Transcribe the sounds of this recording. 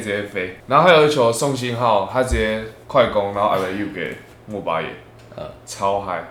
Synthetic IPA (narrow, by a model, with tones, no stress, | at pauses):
t͡ɕfe˧˦na˨˧˦ɦa˦˥jo˨i˦t͡ɕʰjɔ˨˩sɔ˥˧˨ŋɕ̬i˧˦nɦa˥˧˨ʊha˦t͡ɕi˨e˦kʰwa˥˧ɪkɔ˧˦ŋnã˨˧˦ʔa̰˧˩ə˨˩ju˥˧˩kʰe˨˩ | mũ˨ba̰˧˦jḛ˨˩˨ | t͡sʰa˦ʊɦa˧ɪ